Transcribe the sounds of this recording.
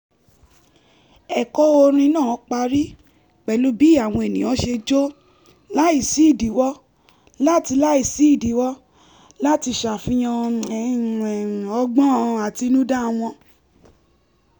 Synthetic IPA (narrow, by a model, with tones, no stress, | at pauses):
ɛ˨kɔ˦o˧ɾ̃ĩ˧nã˦˨˦k͡pa˧ɾi˦ | k͡pɛ˨lu˦bi˨˦a˨w̃ɔ̃˧e˨nĩ˨˦ɔ̃˧˦ʃe˧d͡ʒo˦ | la˦i˦˨si˦˨di˨˦wɔ˦ | la˦ti˧la˦i˦˨si˦i˦˨di˨˦wɔ˦ | la˦ti˧ʃa˨fĩ˦j̃ɔ̃˧˨ | ɛ̃˨ɔ˧˦ɡ͡bɔ̃˦a˨ti˧nũ˦da˦˧w̃ɔ̃˧